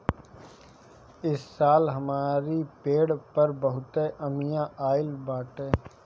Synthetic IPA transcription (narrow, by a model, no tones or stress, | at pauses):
ɪsːaːlɦɐmaːɾipeːɽpəɾbəɦʊt̪eʔəmijãʔaːɪlbaːʈeː